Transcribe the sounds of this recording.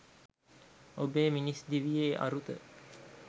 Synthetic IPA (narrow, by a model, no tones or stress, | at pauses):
obeːminisd̪iʋijeːʔa̰ɾut̪ə̰